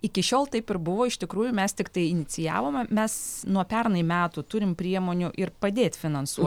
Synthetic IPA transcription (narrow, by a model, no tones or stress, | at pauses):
ɪkʲɪʃʲoːlˠt̪ɐɪpɪɾbʊʋoːɪʃt̪ʲɪkɾuːjʊmʲɛst̪ʲɪkt̪ɐɪɪnʲɪt͡ssʲɪjæ̰ːʋoːmɐmʲɛsnuɔpʲɛrnɐɪmʲæːt̪ut̪ʊɾʲɪmpʲɾʲiɛmoːnʲʊʔɪɾpɐd̪ʲeːt̪ʲfʲɪnɐnsuɔt̪ʲ